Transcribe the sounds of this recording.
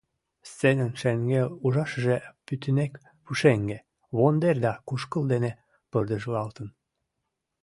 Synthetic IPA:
st͡senənʃeŋɡeluʒɑʃəʒepyt̪ənek | puʃeŋɡe | βond̪erd̪ɑkuʃkəld̪ene | pərd̪əʒlɑlt̪ən

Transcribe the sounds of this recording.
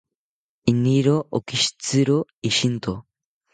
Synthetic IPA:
inːiɾoʔokiʃt͡siɾoiʃint̪o

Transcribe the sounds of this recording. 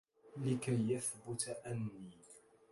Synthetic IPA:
lɪkajːaθbʊt̪aʔanːiː

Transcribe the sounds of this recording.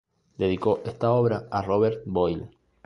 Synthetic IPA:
d̪e̞ðiko̞ʔest̪ao̞βɾaaroβeɾt̪̚bojl

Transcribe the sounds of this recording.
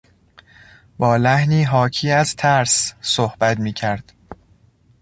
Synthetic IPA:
bɒːlæhniːɦɒːcʰiːæzt̪ʰæɾssohbæt̪miːcʰæɾd̪̥

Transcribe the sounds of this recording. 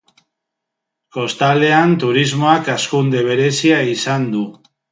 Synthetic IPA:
ko̞st̪ale̞ant̪uɾizmo̞akaskund̪e̞β̞e̞ɾe̞siaisand̪u

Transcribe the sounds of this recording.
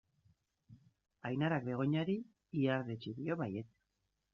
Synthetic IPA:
ajnaɾak̚d̪e̞ɣ̞o̞ɲaɾi | iaɾðet͡ʃiðio̞βajet̪

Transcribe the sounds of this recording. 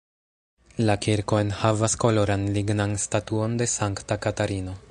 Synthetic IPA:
lakiɾko̞e̞nhavasko̞lo̞ɾanliɡnanstatuo̞nde̞saŋktakataɾino̞

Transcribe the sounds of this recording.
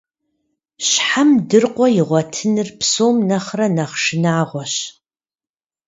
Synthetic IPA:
ɕħamdɨrqʷʼɔjɪʁʷɔtʰɨnɨrpsoːmnɐχrɐnɐχʃɪnaːʁʷɔɕ

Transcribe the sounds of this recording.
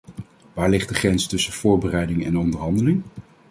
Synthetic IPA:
ʋaːɹlɪχd̚dəχrɛnstɵsəv̥ʊːɹbərɛjdɪŋɛ̰nɔndəɹɦɑndəlɪŋ

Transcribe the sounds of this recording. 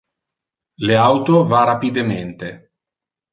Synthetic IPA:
leawt̪ovarapid̪ement̪e

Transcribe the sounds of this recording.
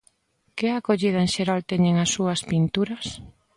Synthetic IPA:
kɪakoʎið̞ɐẽŋʃeɾalt̪eɲeŋasːuɐspint̪uɾɐs

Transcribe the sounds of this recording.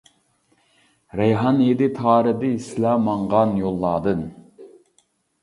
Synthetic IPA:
ɾɛjɦɑnjed̪ɪt̪ʰɑːɾɨd̪ɨislɑːmɑɴʁɑnjolˠːɑːd̪ɨn

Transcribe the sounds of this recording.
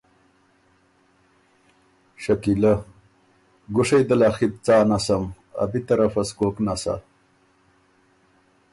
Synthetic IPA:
ɕɐkilɐ | ɡuʂejd̪ɐlaxit̪̚t͡saːnɐsɐm | ɐ̰bit̪ɐɾɐfɐsɡoknasa̰

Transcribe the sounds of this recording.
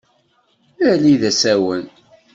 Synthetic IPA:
æliðæsæwən

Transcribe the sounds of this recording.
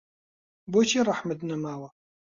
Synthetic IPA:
bot͡ʃʰirˤɑħmɐd̪nɐmaːwɐ

